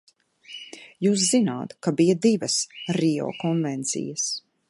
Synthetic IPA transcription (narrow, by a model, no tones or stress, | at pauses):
juːs̬zinaːt̪kabijad̪ivɐsɾiɔ̰ːkɔnvɛnt̪sḭjɐs